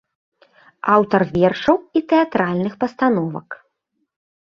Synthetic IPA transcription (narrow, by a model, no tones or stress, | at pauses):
awt̪ɐrvʲɛrʂɐwit̪ɛat̪ɾalʲnɨxpɐst̪anɔvɐ̰k